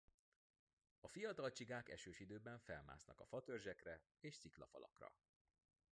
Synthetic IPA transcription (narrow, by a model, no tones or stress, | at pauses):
ɒfijɒt̪ɒlt͡ʃiɡaːkɛ̰ʃøːʃid̪øːbɛɱfɛlma̰ːsnɒkɒfɒt̪ørʒɛkrɛ | eːʃsiklɒfɒlɒ̰krɒ̰